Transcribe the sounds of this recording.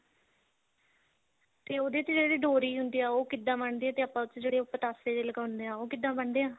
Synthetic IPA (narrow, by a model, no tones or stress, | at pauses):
t̪eːoːd̪eːt͡ʃd͡ʒeːeɽeːɖoːɾiːɦʊnd̪iːaːoːkɪd̪ːãːməɳd̪eːɛ̃t̪eːapːãːt͡ʃːd͡ʒeːɽeːʊpəʈ̪aːseːd̪eːləɡaːʊnd̪eːãːoːkɪd̪ːãːbəɳd̪eːãː